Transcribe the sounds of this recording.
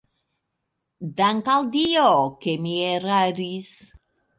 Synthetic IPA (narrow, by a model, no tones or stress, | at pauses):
d̪aŋkald̪iokemieɾaɾis